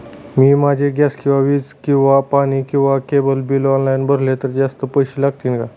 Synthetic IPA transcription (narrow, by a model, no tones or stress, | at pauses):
miːmad͡ʑʱeɡjaskĩw̃ʋaʋiːd͡zkĩw̃ʋapañikĩw̃ʋakebəlbiːlɔnlajnbʱəɾlet̪əɾd͡zast̪əpəjɕilaɡ̚t̪iːnka